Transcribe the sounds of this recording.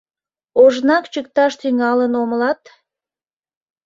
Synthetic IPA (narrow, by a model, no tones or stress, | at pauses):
oʒnɑkt͡ɕək̚t̪ɑʃt̪yŋɑlənomlɑt̪